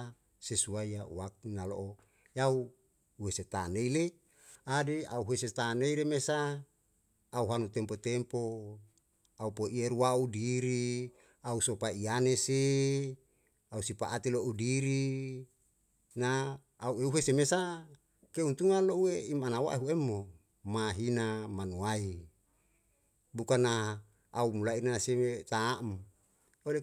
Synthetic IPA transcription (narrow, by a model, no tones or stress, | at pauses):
sesuaiaṵwak̚inalo̰ʔo | jau | uweset̪aneile | adea̰uɦueset̪aneiɾemesa | uɦanut̪ɛmpot̪empo | aupoʔieɾuwaudiɾi | ausopaianese | ausipa̰ʔat̪iloʔudiɾi | naː | ueuɦesemesa | keunt̪uŋanloueimanawa̰eɦuemːo | maɦinamanuai | bukana | aumulainanasemet̪aːm | ole